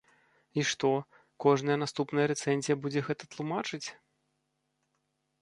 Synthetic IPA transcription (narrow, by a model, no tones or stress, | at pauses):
iʂt̪ɔ | kɔʐnɐjɐnast̪upnɐjɐɾɛt̪sɛnʲzʲijɐbud͡zʲɛɣɛt̪ɐt̪lˠumat͡ʂɨt͡sʲ